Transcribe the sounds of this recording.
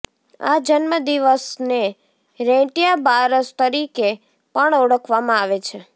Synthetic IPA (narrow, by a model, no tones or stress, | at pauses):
a̰d͡ʒənməd̪iʋəsne | ɾɛ̃ʈijabaɾəst̪əɾike | pəɳoɽəkʰʋamãaʋet͡ʃʰe